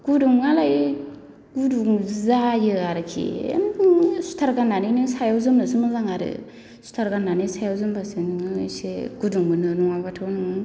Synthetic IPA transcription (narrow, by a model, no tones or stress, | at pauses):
ɡ̥uduŋɡalaj | ɡuduŋzajɯaɾɯkʰḭ | su̥tʰaɾɡanːaninɯsajawzɯmnɯsɯŋɯzaŋaɾɯ̰ | su̥tʰaɾɡanːanisajawzɯmbasɯnɯŋɯseɡ̥uduŋɡɯnɯnuŋabatʰawnɯŋ